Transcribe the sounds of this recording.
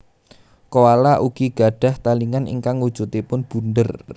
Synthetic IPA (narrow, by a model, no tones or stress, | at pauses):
kowalaʔuɡ̥iɡ̥a̤ɖ̥a̤ht̪aliŋanḭŋkaŋud̥ʒ̥ṳt̪epʊnb̥ṳnd̪ər